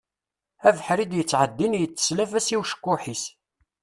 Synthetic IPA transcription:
ævħɾid̪jət͡sːʕəd̪ːinjət͡sːə̥slæfæsiwʃə̥kːʊħis

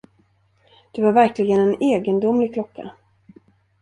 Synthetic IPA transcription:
d̪̥ɵvaɾvæɾklɪɡənɛneːɡənd̪ʊmlɪɡ̚kʰlɔkʰːa̰

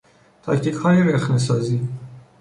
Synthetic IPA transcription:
t̪ʰɒkt̪ʰiːkhɒːjeɾexnes̬ɒːziː

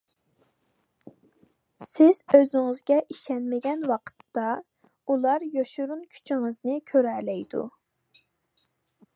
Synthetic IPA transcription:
sɪz̥øzɪŋɨzɡʲɛʔiʃɛnmɪɡʲɛnwɑqʰə̥t̪ːɑ | ulˠɑɾjoʃuɾunkʲʰy̥t͡ʃʰiŋɨznɨkʲʰøɾɛlɛjd̪ṵ

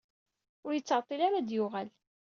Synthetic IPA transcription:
ʊɾjət͡sːəʕt̪ˤːilaɾad̪jʊʁæl

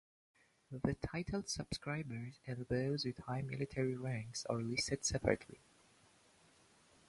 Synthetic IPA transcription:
ðɨtʰaɪɾʰl̩ˠd̥səb̥skɹaɪbə˞zɨ̃nðoʊzwɨð̥haɪmɪ̰lˠɨtʰɛɹiɹæ̃ŋksə̰ɹlɪstɨd̥sɛpʰə̰ɹɨ̰̃tʰlḭ

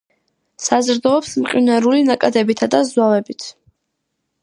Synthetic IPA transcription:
sazɾd̪ɔːpsmqʼinaɾulinakʼad̪ɛbit̪ʰad̪azwavɛbit̪ʰ

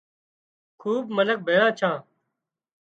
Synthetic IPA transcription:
kʰuːbmənək̚bʱeːɽãːt͡ʃʰãː

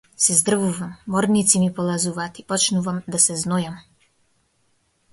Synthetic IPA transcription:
sɛzd̪r̩vuvamːɔɾnit̪simipɔlˠazuvaːt̪ipɔt͡ʃnuvamd̪asɛznɔjam

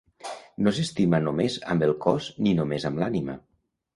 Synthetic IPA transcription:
nos̬est̪imənomezə̰mbəlˠkɔzninomezəmlanimə̰

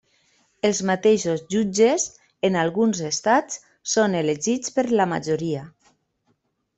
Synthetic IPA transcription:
elˠzmat̪eʃozʒud͡ʒez | enalˠɣunzest̪at͡s | soneleʒit͡spəɾlama̰d͡ʒoɾia

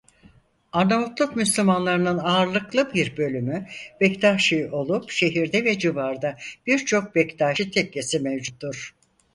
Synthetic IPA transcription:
aɾnamut̪lˠukmyslʲymanlˠaɾɯnɯnaːɾlˠɯklˠɯbiɾbø̞lʲymyb̥ɛct̪ʰaʃɯo̞lˠupʃe̞ɦiɾd̪ɛvɛd͡ʒɯbaɾd̪ab̥iɾt͡ʃʰo̞k̚bɛct̪ʰaːʃɯt̪ʰɛcle̞simevd͡ʒut̪ːuɾ̥

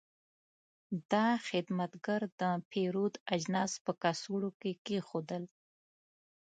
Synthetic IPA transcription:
d̪ɑxɪd̪mat̪ɡaɾd̪əpʰeɾud̪ad͡ʒnɑːspəkasuɽokekexod̪əl

